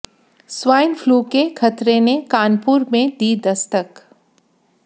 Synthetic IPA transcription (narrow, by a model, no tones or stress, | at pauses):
swaːɪnfluːkekʰɐt̪ɾenekaːnpuːɾmẽd̪id̪ɐst̪ək